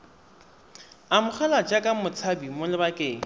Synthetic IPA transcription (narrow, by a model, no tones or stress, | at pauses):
amʊχʰɛlat͡ʃʼakʼamʊt͡sʰabimʊlɪbakʼɪːŋ̩